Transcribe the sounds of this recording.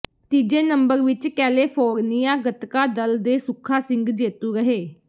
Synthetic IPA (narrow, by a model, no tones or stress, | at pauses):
t̪iːd͡ʒeːnəmbəɾʋɪt͡ʃkɛːleːpʰoːɾnijãːɡət̪kaːd̪əld̪eːsʊkʰaːsɪŋɡd͡ʒeːt̪uːɾəɦeː